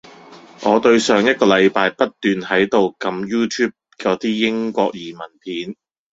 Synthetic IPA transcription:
ŋɔː˨˧t̪ɵ˧ɥsœː˨ŋjɐ˥t̚kɔː˧lɐ˨˧jpaː˧jpɐ˥t̚t̪yː˨nhɐ˨˥jt̪o˨wkɐ˧mjuː˥t̪ʰyː˥p̚kɛː˧t̪iː˥jɪ˥ŋkʷɔː˧k̚jiː˨˩mɐ˨˩npʰiː˨˥n

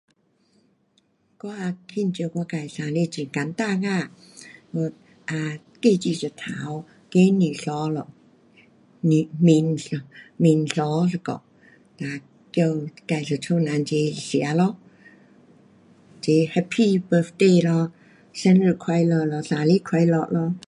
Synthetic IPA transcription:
kwa˧kʰi˧˥˨nt͡ɕi˧kwaː˧˨ka˧˩jsaː˨˧˦li˧˨t͡ɕi˨˩ŋka˨˦nt̪aː˧kaː˧˩ | ɔ˧˩t̪̚ | ʔaː˧ | ke˧˩t͡ɕiː˧˩sa˨˧˩t̪ʰaː˨˦w | ke˧˦ni˨˩sɔː˨˦lɔ˧˨ | ni˨˧˩mi˧nsmi˧nsɔ˧˦sa˧kɔ̰˧˨ʔ | taː˧ | ki˧wka˧˩jsa˨˩t͡ʃʰɔ˧˨naː˨˧nt͡ɕe˨˧si˨˦ɐlɔ˧˦ | t͡ʃe˧˦hɛ˧˥pʰːiː˥˧˨bə˧fd̪eː˧˨lɔ˧ | sɛ˧˦nɾi˧˩kʰwa˧jləː˧lɔ˧saː˨˧˦li˧˥˨kʰwa˧jlɔ˧ʔlɔ˧˥

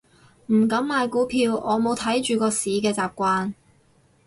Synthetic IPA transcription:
m̩˨˩kɐ˨˥mmaː˨˧jkuː˨˥pʰiː˧wɔː˨˧mo˨˧wt̪ʰɐ˨˥jt͡ʃyː˨˧kɔː˧siː˨˥kɛː˧t͡saː˨p̚kʷaː˧n

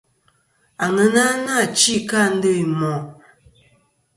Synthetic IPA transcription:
a˨ŋə˨˦na˦na˦˨t͡ʃi˦˨ka˦˨n̩˦də˦i˨mɔ˨

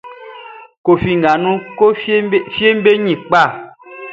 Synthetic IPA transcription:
ko˨fi˨ŋ˨ɡa˨nũ˦ko˦fi˦e˦m˦be˦ɲĩ˨k͡pa˦˨

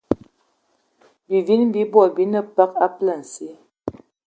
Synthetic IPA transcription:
bi˨vi˦n˦bi˨˦bwɔ˦˨bi˨˦nə˦pa˦ka˦plə˨n̩˨si˦

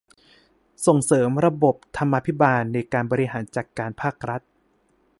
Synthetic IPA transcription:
so˨˩ŋsɤː˩˦mɾa˧bo˨˩p̚t̪ʰa˧mːa˧pʰi˦˥baː˧nːa˧jkaː˧nbɔː˧ɾi˧ɦaː˩˦nt͡ɕaː˨˩kːaː˧npʰaː˥˩k̚ɾa˦˥t̪̚

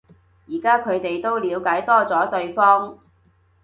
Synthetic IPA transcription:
jiː˨˩kaː˥kʰɵ˨˧ɥt̪e˨jt̪o˥wliː˨˧wkaː˨˥jt̪ɔː˥t͡sɔː˨˥t̪ɵ˧ɥfɔː˥ŋ

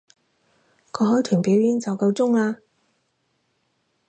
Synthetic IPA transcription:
kʰɔː˨˧ɦɔː˨˥jt̪ʰyː˨˩npiː˨˥wjyː˨˥nt͡sɐ˨˧wkɐ˧wt͡sʊ˥ŋlaː˧

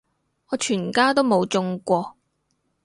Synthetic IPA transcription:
ɔː˨˧t͡ʃʰyː˨˩nkaː˥t̪o˥wmo˨˧wt͡sʊ˧ŋkʷɔː˧

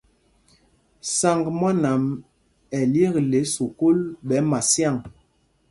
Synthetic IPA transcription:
sa˨ŋɡmwa˦na˨m | ɛ˨lje˦kle˨˦so˨ko˦lɓɛ˨˦ma˨sja˦˨ŋ

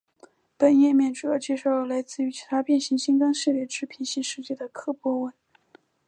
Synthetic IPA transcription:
pə˨˩njɛ˥˧mjɛ˥˩nʈ͡ʂu˨˩˧t͡ɕjɛ˥˧ʂo˥˩ʊla˧˥ɪt͡sɹ̩˥˩y˧˥t͡ɕʰi˧˥t̪ʰa˥pjɛ˥˧nɕi˧˥ŋɕi˥ŋkɑ˥ŋʂɻ̩˥˧ljɛ˥˩ʈ͡ʂɻ̩˥˩pʰi˧˥nɕi˥ŋʂɻ̩˥˧t͡ɕjɛ˥˩d̪ə˩kʰɤ˥˩pwɔ˥wə˥˩n

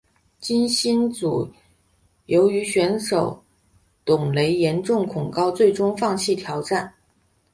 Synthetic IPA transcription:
t͡ɕi˥nɕi˥nt͡su˨˩ | jo˧˥ʊy˧˥ɕɥɛ˧˥nʂo˨˩ʊ | t̪ʊ˨˩ŋle˧˥ɪjɛ˧˥nʈ͡ʂʊ˥˩ŋkʰʊ˨˩ŋkɑ˥˧ʊt͡swe˥˩ɪʈ͡ʂʊ˥ŋfɑ˥˧ŋɕʰi˥˩t̪ʰjɑ˧˥ʊʈ͡ʂa˥˩n

